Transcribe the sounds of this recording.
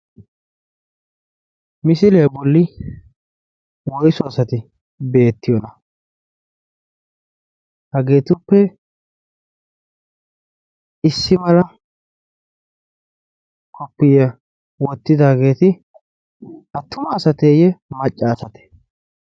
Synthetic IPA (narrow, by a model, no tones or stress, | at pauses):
mɪsɪlebɔlːɪ | wɔjsɔɐsɐt̪ɪ | be̞ːt̪ːɪjɔnɐ | hɐɡe̞ːt̪ʊpːɛ | ɪsːɪmɐlɐ | kʰɔpːɪjɐ | wɔt̪ːɪd̪aːɡe̞ːt̪ɪ | hɐt̪ːʊmɐːsɐt̪eːjɛmɐt͡ʃʼːaːsɐt̪ɛ̥